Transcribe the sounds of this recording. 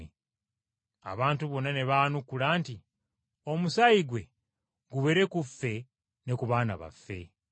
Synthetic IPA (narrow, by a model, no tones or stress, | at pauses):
e | a̰βaːntuβo̞nːane̞βaːnukːulaːnti | o̞musaiɡwe̞ | ɡuβe̞ɾe̞kufːe̞ | ne̞kuβaːna̰βa̰fːe̞̰